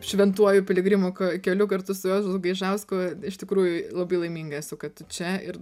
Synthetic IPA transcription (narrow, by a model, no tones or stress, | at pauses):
ʃʲʋʲɛnt̪uɔjʊpʲɪlʲɪɡɾʲɪmokokʲɛlʲʊkɐɾt̪ʊsʊjoːsʊɡɐɪʒɐʊskoːɪʃt̪ʲɪkɾuːjʊlˠɐbɐɪlˠɐɪmʲiːŋɡɐsʊkɐtt̪ʊt͡ʃʲɛɪɾ